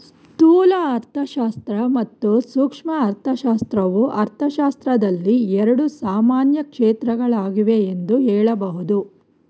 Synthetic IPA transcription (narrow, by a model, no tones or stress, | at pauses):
s | t̪uːlɐːɾt̪ʰɐʃaːst̪ɾɐmɐt̪ːusuːkʂmɐːɾt̪ʰɐʃaːst̪ɾɐʋuʔɐɾt̪ʰɐʃaːst̪ɾɐd̪ɐlːiɛɾɐɽusaːmaːnjɐkʂeːt̪ɾɐɡɐɭaːɡiʋe̞ːnd̪uɦɛːɭɐbɐɦud̪u